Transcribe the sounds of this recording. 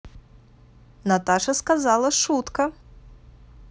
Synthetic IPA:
nat̪aʂɐskazalˠɐʂut̪kɐ

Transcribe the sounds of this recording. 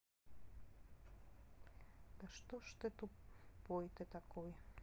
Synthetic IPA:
d̪̥aʃt̪oʃt̪et̪upojt̪et̪akoj

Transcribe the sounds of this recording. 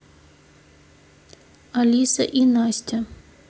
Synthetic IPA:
ɐlʲisɐʔinasʲtʲɐ

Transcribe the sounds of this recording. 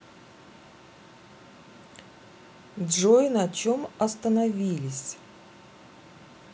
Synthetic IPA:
dʐoɪnɐt͡ɕomɐst̪ənɐvʲilʲɪsʲ

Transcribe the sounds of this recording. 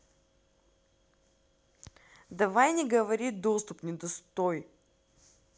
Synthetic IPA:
d̪ɐvajnʲɛɡɐvɐɾid̪ɔst̪ʊpnʲɛd̪ost̪ɔj

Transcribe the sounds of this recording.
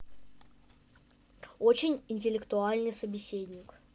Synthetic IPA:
o̞t͡ɕɪnʲɪnʲtʲɪlʲɪkt̪ʊalʲnɨjsəbʲɪsʲedʲnʲɪk

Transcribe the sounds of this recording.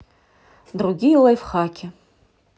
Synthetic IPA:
druɡʲilajfχakʲʰɪ

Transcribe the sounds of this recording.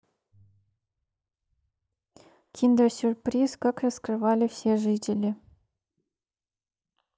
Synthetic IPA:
kʲind̪əsʲyrprʲiskɑkrəskrɨʋɑlʲifsʲeʐɨtʲɪlʲi

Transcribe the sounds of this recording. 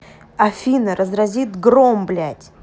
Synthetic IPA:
ɐfʲinəɾəzɾɐzʲit̪ɡɾomblʲætʲ

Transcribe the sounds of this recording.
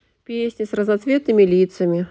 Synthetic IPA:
pʲesʲnʲisrɐzat̪svʲɛt̪̚nɨmʲilʲit̪sɐmʲi

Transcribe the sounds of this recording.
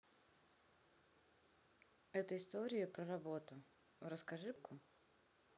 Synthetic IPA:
ɛt̪əɪst̪oɾʲɪjʊpɾərɐbo̞t̪ʊ | ɾəskɐʐɨpkʊ

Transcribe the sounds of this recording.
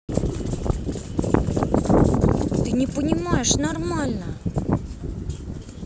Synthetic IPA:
t̪ɨnʲɪpənʲɪmajɪʂnarmalʲnə

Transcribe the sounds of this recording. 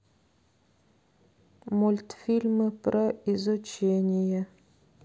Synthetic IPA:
mʊlʲt̪fʲilʲmɨpɾoɪzʊt͡ɕenʲɪjə

